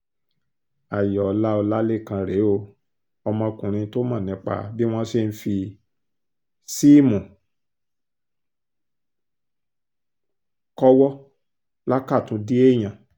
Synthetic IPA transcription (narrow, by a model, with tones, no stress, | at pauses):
a˨jɔ˨˦la˦o˧la˦le˦˨kã˧ɾe˨˦o˧˨ | ɔ˧mɔ̃˧kũ˨ɾ̃ĩ˧to˦mã˦˨nĩ˨˦k͡pa̰˦˨bi˦w̃ɔ̃˦se˦˧n̩˦fi˧ | si˦˨mũ˨ | kɔ˦wɔ˦ | la˦ka˦˨tũ˨˦di˦e˦˨j̃ã˧˨